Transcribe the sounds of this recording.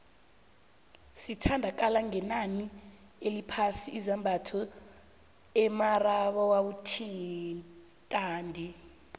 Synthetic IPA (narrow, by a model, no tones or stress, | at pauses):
sitʰandʱak̬ʼalaŋɛnani | elipʰasiːzambʱatʰɔ | ɛmaraɓɔwawutʰi | tʼaːndʱi